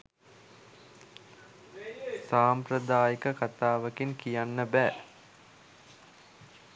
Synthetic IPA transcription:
saːmpɾəd̪aːjikəkat̪aːʋəkinkijanːəbɛː

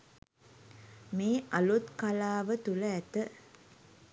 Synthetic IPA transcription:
meːʔɐlut̪kalaːʋət̪uləæt̪ə

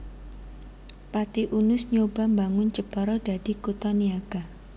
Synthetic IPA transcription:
pat̪iʔunʊsɲoba̤mbaŋʊnt͡ʃəpəɾɔdad̥i̤kut̪ɔniaɡ̥a

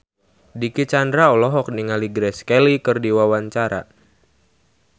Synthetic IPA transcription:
dikit͡ʃandɾaɔlɔɦɔk̚niŋaliɡɾɛskɛlikɨrdiwawaɲt͡ʃaɾa̰

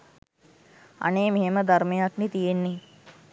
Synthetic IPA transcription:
a̰neːmeɦeməd̪ʱarmejaknit̪ijenːi

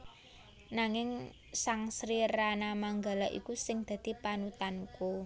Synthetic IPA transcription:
naŋɪŋ | saŋsɾiɾanamaŋɡalaʔḭkusɪŋd̪̥a̤d̪̥i̤panut̪anuko

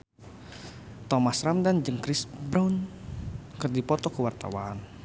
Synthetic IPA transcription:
t̪ɔmasɾamdand͡ʒəŋkɾɪsbɾaun | kərdipɔt̪ɔkəwart̪a̰wan

